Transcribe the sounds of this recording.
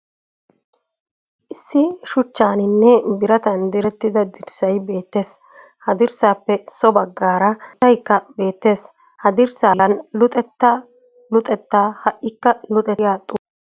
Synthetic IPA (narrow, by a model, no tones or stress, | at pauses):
ʔɪsːɪʃʊt͡ʃːaːnɪnːɛbɪɾɐt̪ɐnd̪ɪɾɛt̪ːɪd̪ɐd̪ɪɾsɐjbe̞ːt̪ːe̞ːs | hɐd̪ɪɾsaːpːɛsɔbɐɡːaːɾɐt̪ːɐjkːɐbe̞ːt̪ːe̞ːs | hɐd̪ɪɾsaːlɐnlʊt̪ʼɛt̪ːɐ | lʊt̪ʼɛt̪ːaːhɐʔːɪkːɐlʊt̪ʼɛjaːt̪ʼʊ